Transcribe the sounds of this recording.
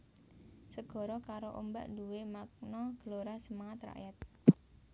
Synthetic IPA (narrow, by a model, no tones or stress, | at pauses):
səɡ̥ɔ̤ɾɔkaɾoʔomba̰ʔnduwemak̚nɔɡ̥ə̤loɾasəmaŋat̪ra̰ʔjat̪̚